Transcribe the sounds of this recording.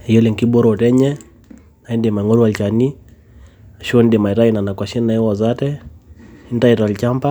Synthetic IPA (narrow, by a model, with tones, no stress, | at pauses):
ɛjɔ˦li˨ŋki˦ɓɔ˦ɾɔ˨ɔ˨tɛ˦ɲɛ | na˨ɛ˦ndɛma˨i˨ŋɔ˦ɾuwalit͡ʃani | aʃu˦ɔ˦ndɛma˨i˨ɾaina˨na˨kwa˨ʃɛna˨ɛ˦wa˨zatɛ | i˦n˦ta˦ita˨a˨lit͡ʃampa